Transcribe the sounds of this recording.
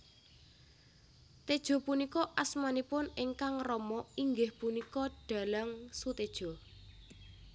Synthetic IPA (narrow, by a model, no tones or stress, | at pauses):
t̪ed̥ʒ̥ɔ̤punikɔʔasmanipʊneŋkaŋrɔmɔiŋɡɪhpunikɔɖ̥a̤laŋsut̪ed̥ʒ̥ɔ̤